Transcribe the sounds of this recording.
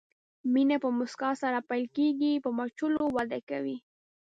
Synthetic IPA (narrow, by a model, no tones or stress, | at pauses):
minapəmʊskɑsaɾapajlkeɡipəmat͡ʃʊlowad̪akawi